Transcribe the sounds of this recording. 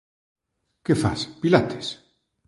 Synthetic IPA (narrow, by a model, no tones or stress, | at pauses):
kefa̰spilat̪e̥s